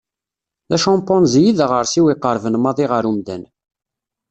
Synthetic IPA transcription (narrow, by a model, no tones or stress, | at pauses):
ðæʃɑmpːɔnzjiðæʁəɾsiwiqːəɾˤvənmɑðˤiʁəɾumd̪æ̰n